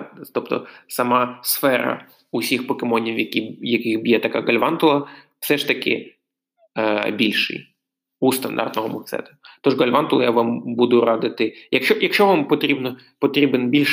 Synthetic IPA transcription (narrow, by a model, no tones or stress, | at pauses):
t̪ɔpt̪ɔ̰sɐmɑsfɛɾɐ̰ | usʲixpɔkɪmɔnʲiwjɐkʲijɐkɪxbjɛt̪ɐka̰ɡɐlʲʋɑnt̪ʊlˠɐ | fsɛʂt̪ɐkʲɪ̰ | bʲilʲʃɪ̰j | ust̪ɐnd̪ɑ̰rt̪nɔɦɔmʊt̪sɛ̰t̪ɐt̪ɔʐɡɐlʲʋɑnt̪ʊlˠɐ̰jaʋɑmbud̪ʊɾɑd̪ɪt̪ɪjɐkʃt͡ʃɔjɐkʃt͡ʃɔʋampɔt̪ɾʲibnɔ | pɔt̪ɾʲibɪnbʲilʲ